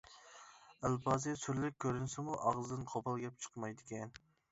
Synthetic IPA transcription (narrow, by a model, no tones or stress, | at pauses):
ælbɑːzɨsyɾlɪk̚ʲkʲʰːøɾynsɪmuʔɑʁzɨd̪ɨnqʰopʰɑlˠɡʲɛp̚t͡ʃʰə̥qʰmɑjd̪ɪkʲɛn